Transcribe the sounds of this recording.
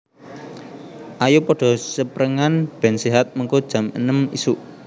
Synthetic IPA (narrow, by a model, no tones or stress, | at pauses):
ʔajupɔɖ̥ɔ̤səpɾəŋanb̥ɛ̤nseɦat̪̚məŋkod̥ʒ̥a̤mənəmḭsuʔ